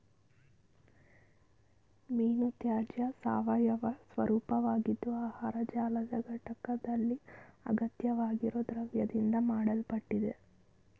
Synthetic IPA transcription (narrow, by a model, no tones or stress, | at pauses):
miːnut̪jaːd͡ʒjɐsa̰ːʋɐjɐʋɐsʋɐɾuːpɐʋaːɡid̪ːuaːhaːɾɐd͡ʒaːlɐd̪ɐɡʱɐʈɐkɐd̪ɐlːiɐ̰ɡɐt̪jɐʋaːɡiɾoːd̪ɾɐʋjɐd̪ind̪ɐmaːɽɐlpɐʈːid̪e